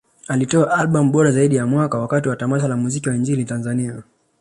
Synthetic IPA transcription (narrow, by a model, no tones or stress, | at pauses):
alitɔaʔalɓam̩ɓɔɾazaiɗijamwakawakatiwatamaʃ̬alamuzikiwaind͡ʒilitanzania